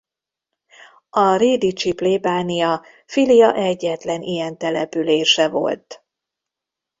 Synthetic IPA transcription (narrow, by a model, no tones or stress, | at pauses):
ɒreːd̪it͡ʃipleːbaːnijɒ | filijɒʔɛɟːɛt̪lɛnijɛnt̪ɛlɛpyleːʃɛvo̞̰lt̪